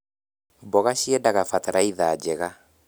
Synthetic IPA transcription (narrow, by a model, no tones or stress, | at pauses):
bɔɣaɕiɛdaɣafataɾaiðad͡ʒɛɣa